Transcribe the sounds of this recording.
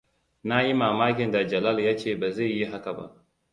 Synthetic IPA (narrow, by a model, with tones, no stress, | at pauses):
na˦ji˦maː˨maː˦kʲɪ˨nda˨d͡ʒɐ˨la˦ljaː˦t͡ʃeː˦˨baː˨za˦˨ji˦ɦa˦ka˨ba̰˦ʔ